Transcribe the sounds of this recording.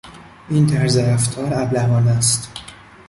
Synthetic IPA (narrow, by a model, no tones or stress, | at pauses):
ʔint̪ʰæɾzeɾæft̪ʰɒːɾæblævɒːnæst̪